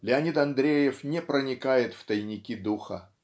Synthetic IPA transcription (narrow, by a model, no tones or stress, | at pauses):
lʲɪɐnʲit̪ɐnd̪ɾʲejɪfnʲɛpɾənʲɪkajɪt̪ft̪əjnʲɪkʲid̪uxə̰